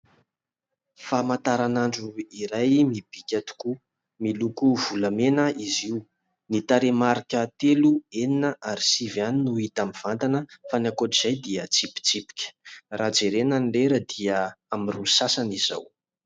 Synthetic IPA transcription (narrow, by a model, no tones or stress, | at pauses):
famant̪aɾanaɳɖ͡ʐuiɾajmib̥ikʲat̪u̥ku | milukuv̥ulamenəiziu | nit̪aɾemaɾikʲət̪elueninəʔaɾisivjaninuit̪amiv̥ant̪anəfanakoʈ͡ʂiz̥ajd̪iət͡sipi̥t͡sipi̥kʲə̥rad͡zeɾenanileɾəd̪iəamirusasaniz̥a̰w